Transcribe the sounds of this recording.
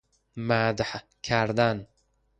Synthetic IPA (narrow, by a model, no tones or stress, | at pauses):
mad̪ħ | kʰæɾd̪an